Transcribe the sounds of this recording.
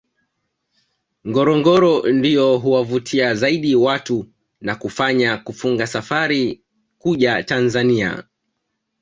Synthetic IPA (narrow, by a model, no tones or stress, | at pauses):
ŋɡɔɾɔŋɡɔɾɔndijɔɦuwavutʰiazaiɗiwatu | nakufaɲakufuŋɡasafaɾi | kuʄatanzania̰